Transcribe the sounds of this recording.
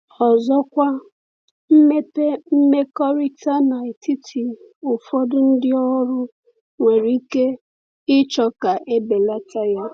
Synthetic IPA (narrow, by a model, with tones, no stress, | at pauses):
ɔ˨zɔ˦kʷa˦ | m̩˦me˦pe˦m̩˦me˦kɔ˦ɾi˦ta˦na˨i˨ti˦tʰi˨ | ʊ˨fɔ˦dʊ˦n̩˦dɪ˦ɔ˦ɾʊ˦ | ŋʷe˨ɾi˦ke˦ | ɪ˦t͡ʃɔ˨ka˨ʔe˦be˨la˦ta˦ja˦